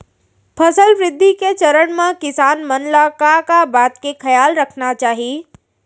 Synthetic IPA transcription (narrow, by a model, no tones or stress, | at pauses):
pʰɐsəlʋɾɪd̪ʱːiket͡ʃɐɾəɽmãkɪsaːnmənlakakabaːt̪kekʰɐjaːlɾəkʰnat͡ʃaːɦieː